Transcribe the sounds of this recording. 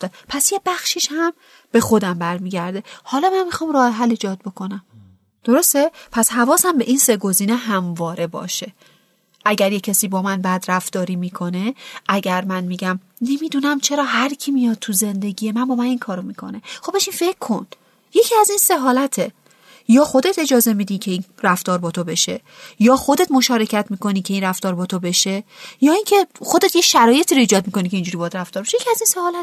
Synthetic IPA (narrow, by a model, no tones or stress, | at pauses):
pʰæsje̞bæxʃiːʃhæm | b̥e̞xo̞d̪æmbæɾmiːɟæɾd̪e̞hɒːlɒːmænmixɒːmɾɒːheɦæliːd͡ʒɒːd̪̚bo̞kʰo̞næm | d̪̥o̞ɾo̞st̪epʰæshævɒːsæmbe̞ʔiːnse̞ɡo̞ziːneɦæmvɒːɾe̞bɒ̰ːʃe̞ | ʔæɟæɾjecʰːæsiːbɒːmænbæd̪ɾæft̪ɒːɾiːmiːkʰo̞ne̞ʔæɟæɾmænmiːɟæm | ne̞mid̪unæmt͡ʃʰe̞ɾɒːɦæɾcʰimijɒd̪̚t̪ʰuze̞nd̪e̞ɡʲijemænbɒːmæninkʰɒːɾomikʰo̞̰ne̞xobeʃinfe̞kʰːo̞n | je̞cʰiæzinse̞ɦɒːlæt̪ʰe | jɒːxo̞d̪et̪ʰe̞d͡ʒɒːze̞mid̪icʲʰe̞inɾæft̪ɒːɾbɒːt̪ʰobe̞ʃe̞ | jɒːxod̪e̞t̪mo̞ʃɒːɾe̞cʰæt̪ʰmiːko̞niːcʰe̞inræft̪ɒːɾbɒːt̪ʰobe̞ʃe̞jɒːiŋcʰe̞xod̪et̪ʰjeʃæɾɒːje̞t̪ʰiːɾoiːd͡ʒɒːd̪̚mikonikʰʲceind͡ʒuɾibɒjæd̪ɾæft̪ɒːɾbeʃejecʰiæzinsehɒːlæt̪